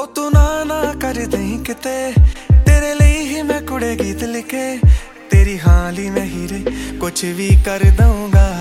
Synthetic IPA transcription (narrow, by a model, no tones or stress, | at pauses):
oːt̪uːnaːnãːkəɾd̪ẽĩːkɪt̪eːt̪eːɾeːləiːɦiːmɛ̃ːkʊɽeːɡiːt̪lɪkʰeː | t̪eːɾiːɦãːliːmɛ̃ːɦiɾekʊt͡ʃʰʋiːkəɾd̪əũːɡaː